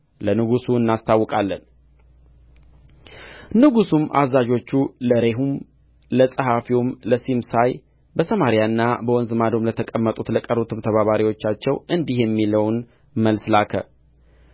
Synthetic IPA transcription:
lənɨɡusuɨnːast̪ʰawːɔkʼalːən | nɨɡusumʔa̰zːad͡ʒo̞t͡ʃːuləɾe̞ɦum | ləsʼəɦafiwumləsimsaj | bəsəmaɾijaɨnːabəwɔnzɨmad̪o̞mlət̪ʰəkʼəmːət̪ʼut̪ləkʼəɾut̪ʰɨmt̪ʰəβaβaɾiwo̞t͡ʃːat͡ʃːɛwɨnd̪iɦjɛmːiləwn | məlslakʰə̰

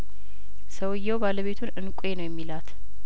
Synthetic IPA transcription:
səwɨjːɛwbaləβe̞t̪ʰunɨnkʷʼenəwjɛmːilat̪

